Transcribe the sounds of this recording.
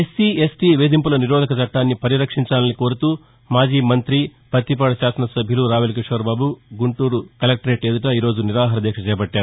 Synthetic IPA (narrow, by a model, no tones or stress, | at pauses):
esiesʈiʋeːd̪impulɐniɾɔːd̪ʱɐkɐt͡ʃɐʈːaːnːipɐɾiɾɐkʂiɲt͡ʃaːlɐniko̞ːɾut̪uː | maːd͡ʒiːmɐnt̪ɾipɐt̪ːip̬ɐɽɐʃaːsɐnɐsɐbʱiluɾaːʋelɐk̬iʂʋɐɾbaːbuɡuɳʈuːɾukɐlɐk̚ʈɐɾeːʈeːd̪uʈɐiːɾo̞ːd͡ʒuniɾaːɦɐɾɐd̪ɛːkʂɐt͡ʃɛːjɐbɐʈːaːɾu